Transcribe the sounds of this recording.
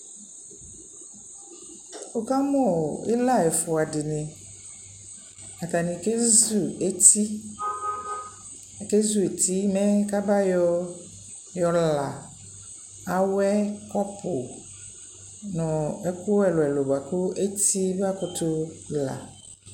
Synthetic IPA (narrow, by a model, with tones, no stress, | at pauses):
o˨ka˦mɔ˦˨ɪ̰˦la˦ɛ˨fʊ˨a˨dɪ˨nɪ̃˨ | a˨ta˨nĩ˨ke˦zu˨e˦t̪i˦˨ | ke˦zu˨e˨t̪ʰi˦mɛ̃˦ka˦ba˦jɔ˦ | jɔ˨la˨ | a˨wɛ˦kɔ˦pʰʊ˨ | nʊ̃˨ɛ˦kʊ˦ɛ˨lʊ˨ɛ˨lo˨ba˨kʊ˦e˦ti˦ba˦kʊ˦t̪ʊ˦la̰˨